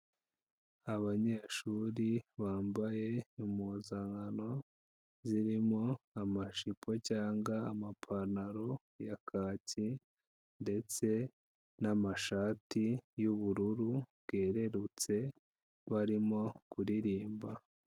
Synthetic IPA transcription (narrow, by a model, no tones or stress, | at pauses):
aβaɲe̞ːʃuːɾiβaːmbaje̞imuzaŋɡano̞ | ziɾimo̞amaʃipʰo̞caːŋɡaːmapʰanaɾo̞ | jakʰaːci | nde̞t͡se̞ | namaʃaːtijuβuɾuɾuβɡ̥e̞ːɾe̞ɾut͡se̞ | βaɾimo̞kuɾiɾiːmba